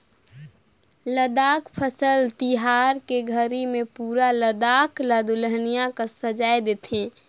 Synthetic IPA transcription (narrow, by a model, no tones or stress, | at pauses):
ləd̪akpʰəsəlt̪iɦaɾkeɡʱəɾimẽpuːɾaləd̪aklad̪uləɦnijakasəd͡ʒajd̪et̪ʰẽ